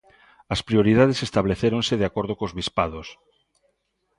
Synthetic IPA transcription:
ɐspɾioɾiðað̞esest̪aβleθeɾonseðeakoɾð̞okozβispaðos

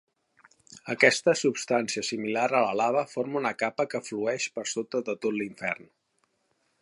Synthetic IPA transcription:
əkɛst̪əsupst̪ansiəsimilaɾələlaβ̞əfoɾmunəkapəkəfluɛʃpəɾsot̪əðət̪ot̪liɱfɛ̰rn

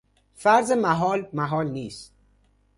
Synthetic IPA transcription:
fæɾzemæɦɒːlmæɦɒːlniːst̪̚

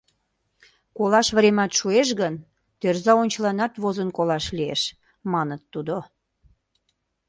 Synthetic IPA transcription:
kolɑʃβɾemɑt̪ʃueʃ̬ɣən | t̪ørzɑonʲt͡ɕəlɑnɑt̪βozənkolɑʃlieʃ | mɑnət̪ːud̪o

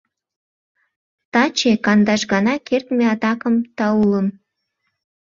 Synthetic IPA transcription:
t̪ɑt͡ɕekɑnd̪ɑʃɣɑnɑkʰert̪meɑt̪ɑkəmt̪ɑuləm

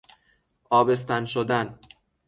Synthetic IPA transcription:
ʔɒːbe̞s̬t̪ænʃod̪æn

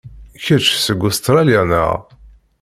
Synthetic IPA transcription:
çət͡ʃːsəɡʊst̪ɾaljanə̰ʁ

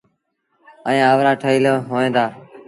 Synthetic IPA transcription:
əẽːaːʋɾaːʈʰəiːləɦoːẽːd̪aː

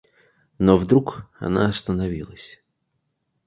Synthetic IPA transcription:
novd̪ɾukɐ̰na̰ɐst̪ənɐvʲilˠəsʲ

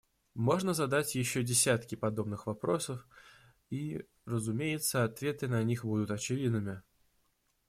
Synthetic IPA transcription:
mo̞ʐnəzɐd̪atʲjɪɕːodʲɪsʲat̪kʲɪpɐd̪o̞bnɨxvɐpɾo̞səf | i | rəzʊmʲejɪt̪səɐt̪vʲe̞t̪ɨnɐnʲixbud̪ʊt̪ɐt͡ɕɪvʲid̪nɨmʲɪ

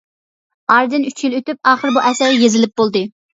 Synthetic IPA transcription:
ɑɾɨd̪ɨnyt͡ʃʰjilˠøt̪yp̚ɑːχəɾbuʔɛsæɾjezɪlɪp̚bolˠd̪ɨ

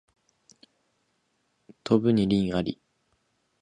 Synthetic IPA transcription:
t̪ʰo̞bɯ̟ɲ̟iɾʲĩɰ̃aɾʲi

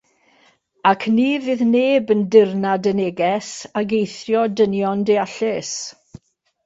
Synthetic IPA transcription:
akʰniːvɨðneːbəndɪrnadəneːɡɛsaɡejθjɔdənjɔndeaɬɪs

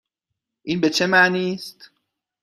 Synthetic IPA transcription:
ʔiːnbet͡ʃʰe̞maʔniːst̪

